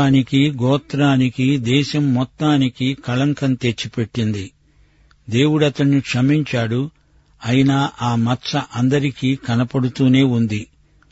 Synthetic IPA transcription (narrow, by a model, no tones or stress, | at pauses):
aːnikiɡɔːt̪ɾaːnikid̪ɛːʃɐmːɔt̪ːaːnikikɐlɐŋkɐnt̪e̞t͡ʃːipe̞ʈːind̪i | d̪e̞ːwuɽɐt̪ɐɳnikʂɐmiɲt͡ʃaːɽu | ɐjinaːʔaːmɐt͡ʃɐʔɐnd̪ɐɾikiːkɐnɐpɐɽut̪uːne̞ːund̪i